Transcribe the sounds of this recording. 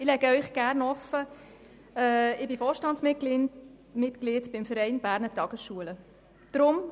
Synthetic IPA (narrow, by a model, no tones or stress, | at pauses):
ɪlɛɡəœʏχɡ̥æɾnɔfːə | ɛːɪbɪfoːɾʃtɑntsmɪl | mɪt̪kliːtb̥ɪmfəɾɛɪnb̥æːɾnətɑɡ̥əsʃuələ | d̥ɾʊm